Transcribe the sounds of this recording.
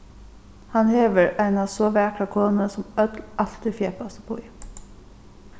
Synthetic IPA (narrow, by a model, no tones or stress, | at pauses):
hɑnheːʋəɹʔæɪnɑːsoːʋæːkʰɑkʰoːnəsɔmœd̪lʔɑlt̪ɪfjeːpɑsəpʰo̰iː